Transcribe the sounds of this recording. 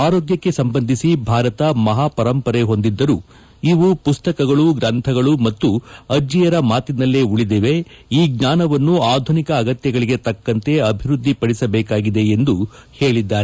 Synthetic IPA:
aːɾoːɡjɐkːe̞sɐmbɐnd̪ʱisibʱaːɾɐt̪ɐmɐɦaːpɐɾɐmpɐɾe̞ɦo̞nd̪id̪ːɐɾu | iʋupust̪ɐkɐɡɐɭuɡɾɐnt̪ʰɐɡɐɭumɐt̪ːuɐd͡ʒijɐɾɐmaːt̪inɐlːeuɭid̪ɛʋe̞ | iːɡɲaːnɐʋɐnːuaːd̪ʱunikɐːɡɐt̪jɐɡɐɭiɡe̞t̪ɐkːɐnt̪e̞ɐbʱiɾud̪ʱːipɐɽisɐbɛːkaːɡid̪e̞ːnd̪uheːɭid̪ːaːɾe

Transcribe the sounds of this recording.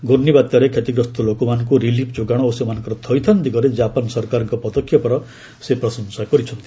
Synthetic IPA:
ɡoɾnibat̪ːjaɾekʰet̪iɡɾɔst̪ʰɔlokɔmanɔŋkuɾilipʰd͡ʒoɡaɽ̃ɔosimanɔ̃ŋkɔɾɔt̪ʰɔjt̪ʰand̪iɡɔɾed͡ʒapɔnsɔɾkaɾɔŋkɔpɔd̪ɔkʰːjɔpɔɾɔ | sepɾɔsɔnsakɔɾit͡ʃʰɔnt̪i̥

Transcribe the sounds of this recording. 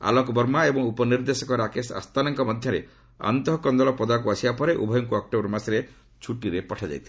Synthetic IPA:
a̰lɔkbɔɾmaebɔŋupɔniɾd̪esɔkɔɾakesa̰st̪anaŋkɔmɔd̪ʱjɔɾḛ | a̰nt̪ɔɦɔkɔnd̪ɔlɔpɔd̪akuasibapɔɾeʔṵbʱɔjɔŋkuɔk̚ʈobɔɾɔmasɾe | t͡ʃʰuʈiɾepɔʈʰad͡ʒa̰jt̪ʰi̥

